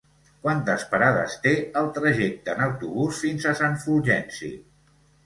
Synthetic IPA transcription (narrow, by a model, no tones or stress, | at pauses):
kwant̪əspəɾaðə̰st̪eəlˠt̪ɾəʒɛk̚t̪əːnəwt̪uβusfinzəsaɱfuʒɛnsḭ